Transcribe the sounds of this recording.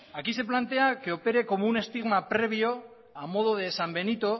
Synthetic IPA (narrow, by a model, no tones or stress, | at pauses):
akise̞plant̪e̞ake̞o̞pe̞ɾe̞ko̞moune̞st̪iɣmapɾe̞β̞jo̞ | amo̞ðoð̞esambe̞nit̪o̞